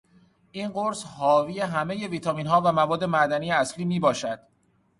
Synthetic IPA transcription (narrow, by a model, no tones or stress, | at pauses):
ʔiːnɢoɾshɒːvijeɦæme̞je̞viːt̪ʰɒmiːnɦɒːvæmævɒːd̪ːe̞mæd̪ænijeæsliːmiːbɒːʃæd̪̥